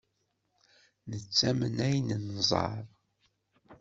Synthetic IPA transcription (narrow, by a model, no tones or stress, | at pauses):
nət͡sːæmənæjnənzˤɑ̰ɾˤ